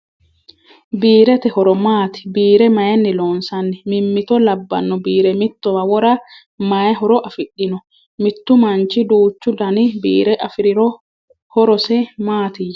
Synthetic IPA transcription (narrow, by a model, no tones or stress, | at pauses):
biːɾɛt̪ɛhɔɾɔmaːt̪ɪ̥biːɾɛmɐjɛnːɪloːnsɐnːɛmɪmːɪt̪ɔlɐbːɐ̰nːɔbiːɾɛmɪt̪ːɔwɐwɔɾa | majɛɦɔɾɔʔɐfɪɗːɪnɔ | mɪt̪ːʊmɐnt͡ʃɪd̪uːt͡ʃːʊd̪ɐnɪbḭːɾɛʔɐfɪɾɪɾɔ | hɔɾɔsɛmaːt̪ɪj